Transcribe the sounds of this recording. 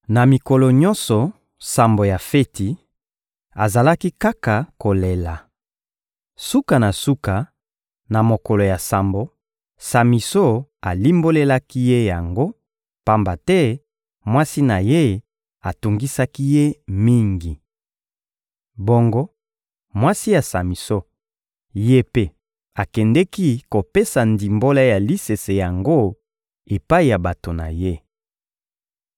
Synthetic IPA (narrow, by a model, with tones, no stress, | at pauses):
na˨mi˨ko˨lɔ˨ɲɔ̃˦nsɔ˨ | sa˨mbo˨ja˨fe˦tʰi˨ | a˨za˨la˦ki˦ka˦ka˨ko˨le˨la˨ | su˦ka˨na˨su˦ka˨ | na˨mo˨ko˨lo˨ja˨sa˨mbo˨ | sa˨mi˨so˦a˨li˦mbo˦le˦la˦ki˦je˦ja˨ŋɡo˦ | pa˦mba˨tɛ˦ | mwa˦si˦na˨je˦ | a˨tu˨ŋɡi˦sa˦ki˦je˦mi˦ŋɡi˨ | bo˦ŋɡo˦ | mwa˦si˦ja˨sa˨mi˨so˦ | je˦pe˦ | a˨kɛ˨ndɛ˦ki˦ko˨pe˦sa˨ndi˨mbo˦la˦ja˨li˦se˨se˨ja˨ŋɡo˦ | e˨pa˦i˨ja˨ba˨to˨na̰˨je˦